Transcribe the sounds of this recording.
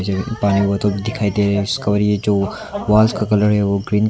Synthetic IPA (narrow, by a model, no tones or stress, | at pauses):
d͡ʒepaːniʋɐt̪õbʱid̪ɪkʰaːid̪eːɾeɪskɐbəɾjed͡ʒoː | ʋaːlskakɐləɽɦɛʋoɡɾiːn